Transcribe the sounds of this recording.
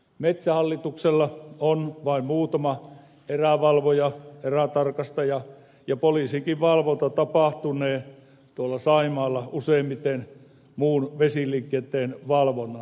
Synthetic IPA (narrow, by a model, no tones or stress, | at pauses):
met̪sæhɑlːit̪ukselːɑonʋɑˑimmuːt̪ɑmɑ | eræʋɑlʋojɑeræt̪ɑrkɑst̪ɑjɑ | jɑpoliːˑsiŋkiʋʋɑlʋont̪ɑt̪ɑpɑˑht̪uneː | t̪uolːˑɑsɑimɑːlːɑuseˑimmit̪en | muːnʋesiliŋkːˑiet̪ːˑeːnʋɑlʋonɑ